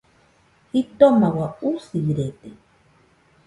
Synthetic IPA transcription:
it̪omawausiɾet̪e

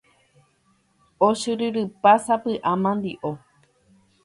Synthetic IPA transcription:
oʃɨɾɨɾɨpasapɨʔãmãnd̪iʔo

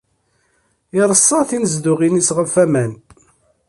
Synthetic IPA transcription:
iɾˤəsˤːɑθinəzd̪ʊʁinisʁəfæmæn

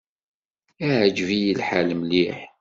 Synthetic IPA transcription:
æʕd͡ʒvijilħaləmliħ

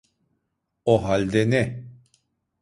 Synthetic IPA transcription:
oɦalʲd̪ɛnɛ

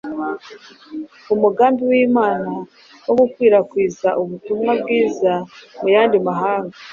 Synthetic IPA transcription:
umuɡaːmbiwiːmaːna | wo̞ɡukwiːɾakwiːzaʔuβutumŋabɡiːzamujaːndimaɦaːŋɡa

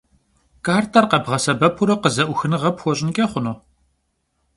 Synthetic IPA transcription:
kaːrtʰɐrqɐbʁɐsɐbɐpʰuɾɐqəzɐʔʷʊxɨnɨʁɐpxʷɔɕʼɪnkʲʼɐχʷʊnoː

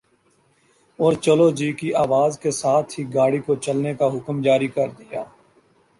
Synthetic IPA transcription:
ɔːɾt͡ʃəlod͡ʒiːkiʔaːʋaːzkesaːt̪ʰɦiɡaːɽikot͡ʃɐlnekaɦʊkmd͡ʒaːɾikɐɾd̪ɪjaː

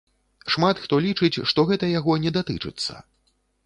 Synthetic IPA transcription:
ʂmat̪xt̪ɔlʲit͡ʂɨt͡sʲʂt̪ɔɣɛt̪ɐjaɣɔnʲɛd̪at̪ɨt͡ʂɨ̰t̪sːɐ̰

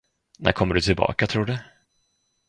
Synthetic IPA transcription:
nʔæ̰ɾkʰɔmːəɖɵt̪ʰɪlbɑ̰ːkat̪ʰɾuːɖɵ

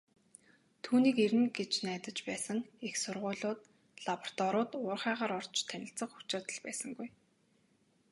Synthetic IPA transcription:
t̪ʰuːniːkeɾɘ̆nɡet͡ɕnæːt̪ə̆t͡ɕpæːsə̆ŋixsʊrʁʊ̟ːɮʊːt̪ | ɮapɔ̥r̥t̪ɔɾʊːt̪ʊːrχæːʁaːɾɔr̥t͡ɕʰt̪ʰænʲɪ̆ɬt͡sə̆qu̥t͡ɕaːt̪ə̆ɮpæːsə̆ŋɡuj

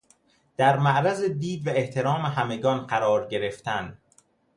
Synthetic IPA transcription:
d̪̥æɾmæʔɾæzed̪iːd̪væeht̪ʰe̞ɾɒːmeɦæme̞ɡɒːnɢæɾɒːɾɟe̞ɾe̞ft̪ænd̪̥

